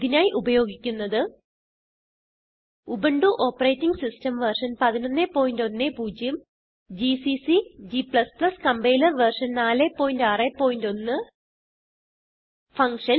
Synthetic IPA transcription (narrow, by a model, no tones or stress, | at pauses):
iðinaːjiʔubɐjo̞ːɡikʲːunːɐðɨ | ubɐɳɖuʔoːpːɐreːtːiŋɡsistɐmʋɐrʂɐnpɐðino̞nːe̞ːpːo̞ːjindo̞nːe̞ːpuːd͡ʑjɐm | d͡ʑisisid͡ʑipɭɐsplɐskɐmbejlɐrʋɐrʂɐnnaːle̞pːo̞ːjindaːrepːo̞ːjindo̞nːɨ | fɐŋkʂɐn